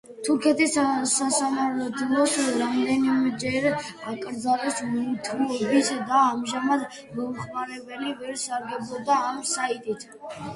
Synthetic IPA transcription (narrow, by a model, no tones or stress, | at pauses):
t̪ʰuɾkʰɛt̪ʰissasamaɾt̪ʰlˠɔsɾamd̪ɛnimɛd͡ʒɛɾakʼɾd̪zalɔsmɔt̪ʰulɔbisd̪aːmʒamad̪ | mɔumχmaɾɛbɛlivɛɾsaɾɡɛbɔd̪aːmsait̪ʼit̪ʰ